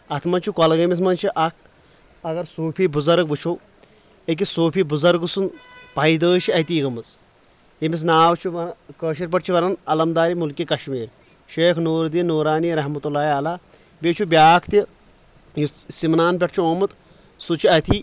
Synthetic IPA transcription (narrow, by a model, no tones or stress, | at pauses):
ɐt̪ʰmɐnt͡ʃʰukɐlɐɡɐmis̬mɐnt͡ʃʰiʔɐkʰ | ɐɡɐɾsoːpʰiːbuzɐɾɡ̚ʋɨt͡ʃʰoː | ek̬isoːpʰibuzɐɾɡɨsunpɐid̪əːt͡ʃʰiɐt̪iːɡɐmɨz | jemis̬naːʋt͡ʃʰuʋɐkəːʃiɾp̬ɐʈt͡ʃʰiʋɐɾɐnɐlɐmd̪aːɾimulkikɐʃmiːɾ | ʃeːkʰnoːɾd̪inːoːɾaːniːɾɐɦmɐt̪ulːaːialaː | beːt͡ʃʰubʲjaːkʰt̪i | jsimnaːnp̬ʲɐʈ̚t͡ʃʰuoːmɨt̪ | sut͡ʃʰiɐt̪ʰi